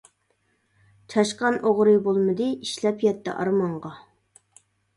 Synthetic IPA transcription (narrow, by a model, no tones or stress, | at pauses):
t͡ʃʰɑʃqɑnʔoʁɾɨbolˠmɨd̪ɨiʃlɛpjɛt̪ːɛ̰ʔɑ̰ɾmɑɴʁɑ